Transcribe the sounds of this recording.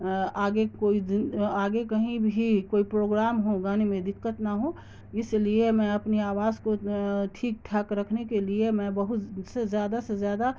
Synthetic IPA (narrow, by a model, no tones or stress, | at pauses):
aːɡekoːiaːɡekəɦĩbʱikoːipɾoːɡɾaːmɦũɡãːnimẽd̪ɪkːət̪naɦũ | ɪsliemɛ̃ɐpniaːwaːzkoʈʰiːk̚ʈʰɐkɾəkʰnekeliemɛ̃bəɦʊt̪sezjaːd̪asezjaːd̪a